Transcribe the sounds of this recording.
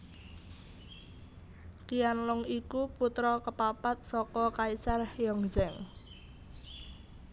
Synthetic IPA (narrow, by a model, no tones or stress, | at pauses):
kijanlʊŋikuput̪ɾɔkəpapat̪̚sɔkɔkaisarhjɔŋd͡ʒɛŋ